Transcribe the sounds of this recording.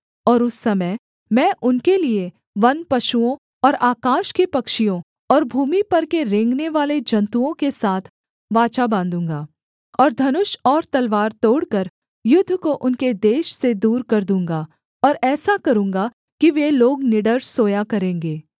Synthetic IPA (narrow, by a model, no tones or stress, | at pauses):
ɔːɾʊsːɐməj | mɛ̃ːʔʊnkelie | ʋɐnpɐʃuõ | ɔːɾaːkaːʃkepɐkʃijõ | ɔːɾbʱuːmipɐɾkeɾẽːŋɡneʋaːled͡ʒɐ̃nt̪uõkesaːt̪ʰ | ʋaːt͡ʃabãːnd̪ũːŋɡaː | ɔːɾd̪ʱɐnʊʃɔːɾt̪ɐlʋaːɾt̪oːɽkəɾ | jʊd̪ʱːkoʔʊnked̪eːʃsed̪uːɾkɐɾd̪ũːŋɡa | ɔːɾɛːsakɐɾũːŋɡa | kiʋeloːɡnɪɖəɾʃsoːjakɐɾẽːŋɡeː